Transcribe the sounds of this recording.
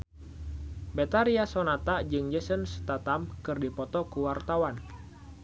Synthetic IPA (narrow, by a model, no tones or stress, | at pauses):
bet̪aɾiasonat̪ad͡ʒɨŋd͡ʒəsənst̪at̪amkɨrdipɔt̪ɔkuwart̪awan